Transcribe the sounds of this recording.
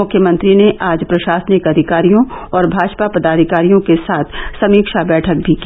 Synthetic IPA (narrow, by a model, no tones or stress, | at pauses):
ʊkʰjəmɐ̃nt̪ɾineʔaːd͡ʒpɾɐʃaːsnɪkɐd̪ʱɪkaːɾijõɔːɾbʱaːd͡ʒpapɐd̪aːd̪ʱɪkaːɾijõkesaːt̪ʰsɐmiːkʃabɛːʈʰək̚bʱiki